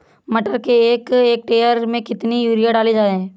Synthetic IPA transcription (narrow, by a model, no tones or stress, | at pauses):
mɐʈəɾkeeːkeːk̚ʈeːjəɾmẽkɪt̪nijuːɾijaɖaːlid͡ʒaːɾeɦɛ̃ː